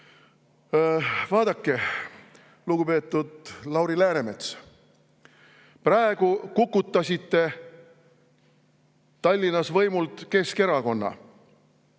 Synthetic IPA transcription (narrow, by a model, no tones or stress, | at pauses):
vɑːd̪̥ɑkːe̞ | luɡupe̞ːt̪ˑːud̪̥lɑwɾilæːɾeme̞t̪s | prɑeɡ̥ukukːˑut̪ːˑɑsʲit̪ːe̞ | t̪ɑlʲːinɑsvɤjmult̪ke̞ske̞ɾɑko̞nːɑ̰